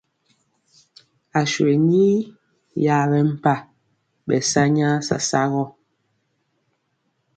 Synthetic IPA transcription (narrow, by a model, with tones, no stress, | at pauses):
a˨ʃwe˨ɲiː˦ | ja˦˨bɛ˦m̩˦˨pa˦˨ | ɓɛ̰˨sa˦ɲa˦sa̰˨sa˦ɣɔ˦